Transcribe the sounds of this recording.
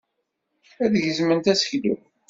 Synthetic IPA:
æðʝəzmənt̪æsə̥çlṵ

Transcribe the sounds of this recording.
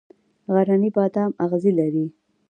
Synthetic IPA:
ɣaɾanibɑt̪ɑmaɣzilaɾi

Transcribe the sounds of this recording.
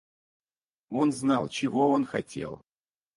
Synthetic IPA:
o̞nznɑlˠt͡ɕɪvo̞onxɐtʲḛlˠ

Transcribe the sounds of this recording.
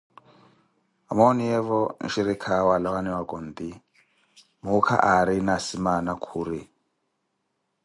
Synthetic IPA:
amɔnijɛvɔnʃiɾikʰawalɔwaniwakʼɔnd̪i | mukʰa̰ʔaɾinasimanakʰuɾi

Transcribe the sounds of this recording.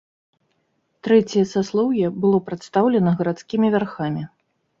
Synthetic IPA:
t̪ɾɛt͡sʲijɐsaslˠɔwjɛbɨlˠɔpɾat̪st̪awlʲɛnɐɣɐɾat̪skʲimʲivʲarxamʲi

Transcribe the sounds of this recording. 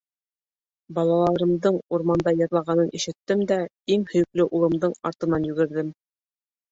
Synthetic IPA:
bɑlˠɑlˠɑɾɤ̆md̪ɤɴuɾmɑnd̪ɑjɤ̆ɾlˠɑʁɑnɤnʔiʃɘ̆t̪ːɘmd̪æ | iŋhɵ̆jɘ̆klɘʔulˠɤ̆md̪ɤɴɑ̰ɾt̪ɤ̆nɑnjɵ̆ɡɘ̆ɾðɘm

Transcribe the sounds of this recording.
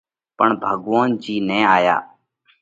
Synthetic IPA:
pəɳbʱəɠʋaːnd͡ʒiːnɛ̃ːaːja̰ː

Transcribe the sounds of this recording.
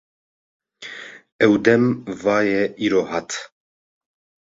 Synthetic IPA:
ɛwd̪ɛmvɑːjɛʔiːɾoːhɑt̪

